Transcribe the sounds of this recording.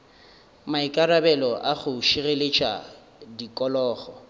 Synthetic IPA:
maikʼarabɛlɔʔaɣʊʃirelet͡ʃʼa̰ | dikʼɔlɔːχɔ

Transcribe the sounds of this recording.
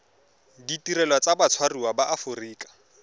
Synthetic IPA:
ditiɾɛlwat͡sabat͡sʰwariwabaʔafʊriːkʼḁ

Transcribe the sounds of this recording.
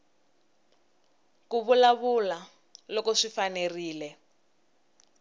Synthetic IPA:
kuβulaβula | lɔkɔʂifaneriːlɛ

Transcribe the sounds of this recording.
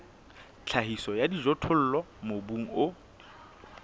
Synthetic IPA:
t͡ɬʰaɦisɔjadizɔtʰʊl̩ːlɔ | mobuŋ̩ʊ

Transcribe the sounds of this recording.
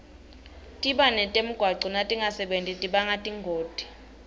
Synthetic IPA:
tʼiɓanɛtʼem̩ɡ̥ʱwaǀɔnatʼiŋʱasɛɓentʼitʼiɓaŋatʼiŋʱoːd̥ʱi̥

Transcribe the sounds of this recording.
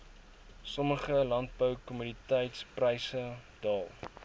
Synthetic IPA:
sɔməχəlɐnt̚bəwkɔmynitəjtsprəjsəd̥ɑːlˠ

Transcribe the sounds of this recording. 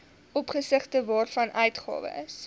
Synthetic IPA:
ʔɔpχəsəχtəvɑːrfɐnʔœɥtχɑ̰ːvə̰s

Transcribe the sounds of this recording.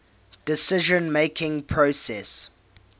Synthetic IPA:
d̥ɪsɪʒə̃nmeɪkʰɪ̃ŋpʰɹosɛs

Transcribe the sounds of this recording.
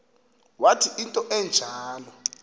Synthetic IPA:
watʰiintʼɔʔɛnd͡ʒʱaːlɔ

